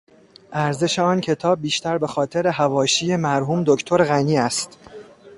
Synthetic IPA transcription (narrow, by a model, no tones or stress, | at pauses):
ʔæɾze̞ʃe̞ɒːncʰe̞t̪ʰɒːb̚ːiːʃt̪æɾbe̞xɒːt̪ʰe̞ɾe̞ɦævɒːʃiːje̞mæɾɦuːmd̪o̞cʰt̪ʰo̞ɾɣæniːæst̪